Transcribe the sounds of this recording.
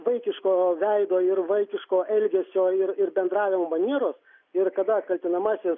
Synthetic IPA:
ʋɐɪkʲɪʃkoːʋʲɛɪd̪oːɪɾʋɐɪkʲɪʃkoːʔɛlʲɡʲɛsʲoːɪɾɪrbʲɛnd̪ɾɑːʋʲɪmoːmɐnʲiɛɾoːs | ɪɾkɐd̪ɐkɐlʲt̪ʲɪnɐmɑsʲɪs

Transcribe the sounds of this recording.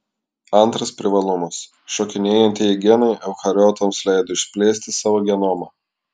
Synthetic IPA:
ɐnˑt̪ɾɐspʲɾʲɪʋɐlˠʊmɐs | ʃoːkʲɪnʲeːjɛnʲt̪ʲɪɡʲiɛnɔɪɛʊxɐɾʲɔːt̪ɐmslʲɛˑɪd̪oɪʃʲsʲpʲlʲeːsʲt̪ʲɪsɑːʋoːɡʲɛnoːmɐ

